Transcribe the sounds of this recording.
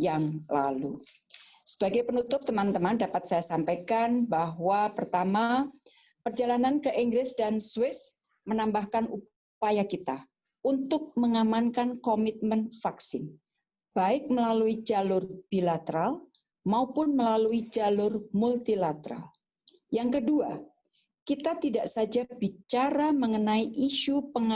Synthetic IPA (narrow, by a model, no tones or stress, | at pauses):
jaŋlalu | sə̥b̥aɡajpənut̪ʊp̚t̪əmant̪əmandapat̪sajasampajkanbaɦwapərt̪ama | pərd͡ʒalanankəʔiŋɡɾɪsdanswɪs | mənambahkanu | pajakit̪a | unt̪ʊk̚məŋamankankomɪt̪̚mənfaksɪn | b̥aɪk̚məlaluid͡ʒalʊrb̥ilat̪əɾal | maupʊnməlaluid͡ʒalʊrmult̪ilat̪əɾa̰l | jaŋkədua | kit̪at̪idaʔsad͡ʒabit͡ʃaɾaməŋənaiʔiʃupəŋa